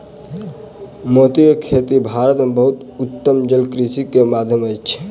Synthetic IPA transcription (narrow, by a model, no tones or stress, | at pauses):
mot̪ijkʰet̪ibʱaːɾət̪mebəɦut̪ | ut̪ːəmd͡ʒəlkɾisikemad̪ʱjəməjt͡ʃt͡ʃʰ